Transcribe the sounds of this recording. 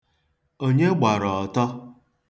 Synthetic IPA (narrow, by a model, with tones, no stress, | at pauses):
o˦ɲe˦ɡ͡ba˨ɾɔ˨ɔ˨tɔ˦